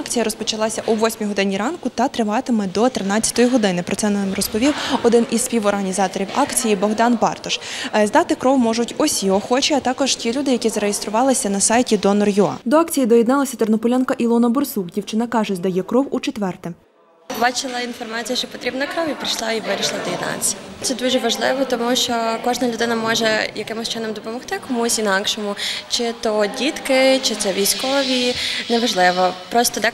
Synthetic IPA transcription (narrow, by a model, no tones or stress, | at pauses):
ɑkt͡sʲijɐɾɔspɔt͡ʃɐlˠɑsʲɐʔuʋɔsʲmʲiɦɔd̪ɪnʲiɾɑnkʊt̪ɐt̪ɾɪʋɑt̪ɪmɛd̪ɔt̪ɾɪnɑt͡sʲːɐ̥t̪ɔjiɦɔd̪ɪnɪpɾɔt̪sɛnamrɔspɔʋʲiwɔd̪ɪnʔisʲsʲpʲiwɔrɦɐnʲizɑt̪ɔɾʲiwɑkt͡sʲijibɔɦd̪ɑnbɑrt̪ɔʃzd̪ɑt̪ɪkɾɔwmɔʒʊtʲɔsʲiɔxɔt͡ʃiɐt̪ɑkɔʒtʲilʲud̪ɪjɐkʲizɐɾejest̪ɾʊʋɑlˠɪsʲɐnɐsɑjtʲid̪ɔnɔrjuɑ̰d̪ɔɑkt͡sʲijid̪ɔjɛd̪nɑlˠɐsʲɐt̪ɔrnɔpʊlʲankɐʔilˠɔnɐbɔrsukdʲiwt͡ʃɪnɐkɑʒɛd̪ɐjɛkɾɔwut͡ʃet̪ʋɛrt̪ɛ | bɑt͡ʃɪlˠɐinfɔrmɑt͡sʲijɐʃt͡ʃɔpɔt̪ɾʲibnɐkɾɔwipɾɪʃlˠɑiʋɪɾʲiʃlˠɐd̪ɔjed̪nɑ̰t͡sʲijɐt̪sɛd̪uʒɛʋɐʒlˠɪʋɔt̪ɔmuʃt͡ʃɔkɔʒnɐlʲʊd̪ɪnɐmɔʒɛjɐkɪmʊst͡ʃɪnɔmd̪ɔpɔmɔxt̪ɪkɔmusʲinɑkʃɔmʊt͡ʃɪt̪ɔdʲit̪kɪt͡ʃɪt̪sɛʋʲijsʲkɔʋʲinɛʋɐʒlˠɪʋɔpɾɔst̪ɔd̪a